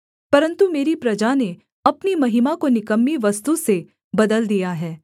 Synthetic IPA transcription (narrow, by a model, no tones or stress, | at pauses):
pɐɾə̃nt̪umeːɾipɾɐd͡ʒane | ɐpnimɐɦɪmakonɪkəmːiʋɐst̪use | bɐd̪əld̪ijaɦɛː